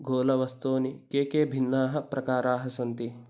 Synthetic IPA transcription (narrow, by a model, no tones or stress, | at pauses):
ɡʱoːlɐʋɐst̪oːnikeːkeːbʱinːaːɦɐ̆pɾɐkaːɾaːɦɐsɐnt̪i